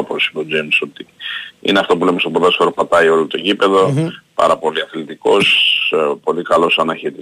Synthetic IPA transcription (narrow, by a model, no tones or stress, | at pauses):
posilod͡zemso̞t̪iḭneɐft̪o̞pulemest̪opðɐsfoɾopɐt̪ɐio̞lot̪o̞ʝipe̞ðo̞pɐ̰ɾɐpo̞liɐθlit̪iko̞spo̞likɐlo̞sɐnɐçit̪i